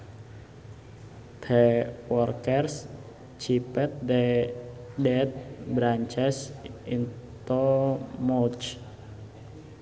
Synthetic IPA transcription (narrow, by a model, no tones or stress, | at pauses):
t̪ʰɛwɔrkɛrs | t͡ʃipɛt̪̚dɛ | dɛt̪̚bɾaɲt͡ʃɛsint̪omɔt͡ʃ